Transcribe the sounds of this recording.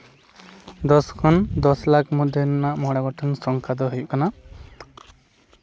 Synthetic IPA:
d̪ɔskʰɔnd̪ɔslak̚ʰmud̪ʱjɔnɔnaʔmɔɽaɡɔʈʰɔnsɔŋkʰad̪ɔɦujuʔkana

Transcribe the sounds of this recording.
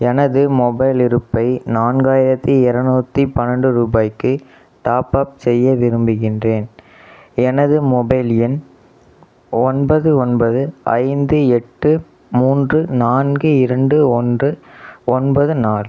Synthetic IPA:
ɛnɐðɯmɔbɐɪlɪɾɯpːɐɪnaːnɡaːjɪɾɐt̪ːiɛɾɐnuːt̪ːipɐnɐɳɖɯɾuːbaːjkːɯ | ʈaːpaːp̚sɛjːɐʋɪɾɯmbɯɣɪndreːn | ɛnɐðɯmɔbɐɪlɪn | ɔnbɐðɯɔnbɐðɯɐ̰ɪnd̪ɯɛʈːɯ | muːndrɯnaːnɡɯɪɾɐɳɖɯɔndrɯɔnbɐðɯnaːl

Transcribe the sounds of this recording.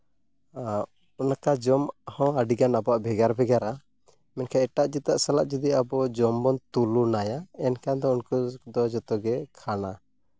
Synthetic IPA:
unakad͡ʒɔmhɔ̃aɖiɡanabɔaʔbʱɛɡaɾbʱɛɡaɾa | mɛnkʰaɛʈaʔd͡ʒit̪aʔsalaʔd͡ʒɔd̪iabɔd͡ʒɔmbɔnt̪ulunajaɛnkand̪ɔunkud̪ɔd͡ʒɔt̪ɔɡɛkʰana

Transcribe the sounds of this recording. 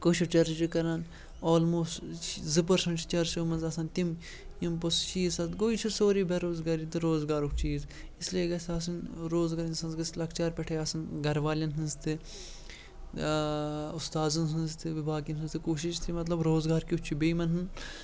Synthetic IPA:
koːʃit͡ʃɐɾd͡ʒikɐɾan | oːlmoːst͡ʃzɨp̬ɐɾsɐ̃ɳʈt͡ʃɐɾsoːmɐnzɐsɐnt̪im | impost͡ʃiːzsɐt̪ɡoːit͡ʃʰisoːɾiːbʱɐɾoːzɡaːɾit̪ɨɾoːzɡaːɾukt͡ʃiːzɪslieɡɐsɐsɐnɾoːzɡaɾɐnsɐnzɡɐslɐkʰt͡ʃaːɾpɛʈʰeːɐsɐnɡɐɾʋaːlʲɐnɦɐnzt̪ʰɨ | ʊst̪aːzɐnsɐnzt̪ʰɨʋibʱaːkinsɨnzt̪ɨkoːʃiʃt̪ʰimɐt̪lɐbɾoːzɡaːɾkit͡ʃʰibejmɐnɦɨn

